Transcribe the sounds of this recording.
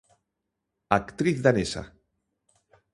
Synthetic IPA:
akt̪ɾiθðanesa̰

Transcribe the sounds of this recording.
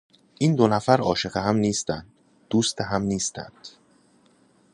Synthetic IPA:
ʔiːnd̪onæfæɾɒ̰ːʃe̞ɣeɦæmniːst̪ænd̪̥̚ | d̪̥uːst̪eɦæmniːst̪æ̰nd̪̥

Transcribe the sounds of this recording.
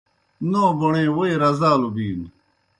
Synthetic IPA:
noːboɳẽːwoeɾɐzaːlobiːn

